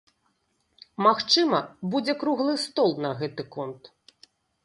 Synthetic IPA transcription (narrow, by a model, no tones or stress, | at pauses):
maxt͡ʂɨmɐbud͡zʲɛkɾuɣlˠɨst̪ɔlˠnɐɣɛt̪ɨkɔnt̪